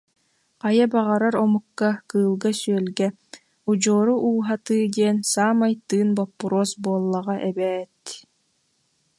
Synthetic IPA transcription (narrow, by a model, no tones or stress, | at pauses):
qajabaʁaɾaɾɔmukːakɯːlˠɡasyœlɡɛ | ud͡ʑɔːɾuʔuːɦat̪ɯːd̪iɛnsaːmajt̪ːɯːnbɔpːuɾoːsbuɔlˠːaʁaʔɛbɛːt̪